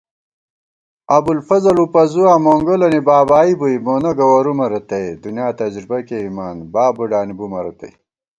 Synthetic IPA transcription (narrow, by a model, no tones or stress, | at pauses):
ɐbulfɐzɐlupɐzuaːmoːŋɡolɐnibaːbaːibujmoːnɐɡɐwɐɾumɐɾɐt̪ɐjd̪unjaːt̪ɐd͡ʑɾibɐkeimaːnbaːbuɖaːnibumɐɾɐt̪ɐ̰j